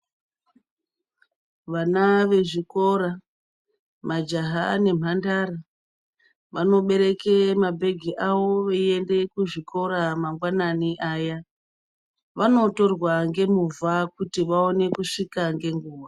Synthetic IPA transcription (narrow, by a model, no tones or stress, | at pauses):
ʋanaʋe̞ʐiko̞ɾa | mad͡ʒaɦane̞m̤andaɾa | ʋano̞ɓe̞ɾe̞kemabʱe̞ɡʱiʔaʋo̞ʋee̞nde̞kuʐiko̞ɾamaŋɡwananiʔaja | ʋano̞to̞rwaŋɡe̞muvakutiʋao̞ne̞kuʂikaŋɡe̞ŋɡuːʋa